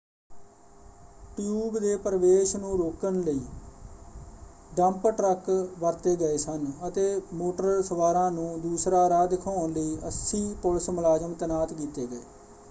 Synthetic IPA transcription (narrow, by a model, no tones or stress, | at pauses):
ʈjuːbd̪eːpəɾəʋeːʃnũːɾoːkənləiː | ɖəmpʈɾəkʋəɾt̪eːɡəeːsənət̪eːmoːʈəəlsəʋaːɾãːnũːd̪uːsɾaːɾaːd̪ɪkʰaːʊnləiːʔəsiːpʊlsmʊlaːzəmt̪ənaːt̪kiːt̪eːɡəḛː